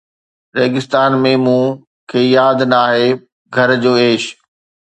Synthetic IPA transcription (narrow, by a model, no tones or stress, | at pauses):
ɾeːɡɪst̪aːnmẽːmũ | kʰeːjaːd̪naaːɦeː | ɡʱɐɾd͡ʑoːeːʃ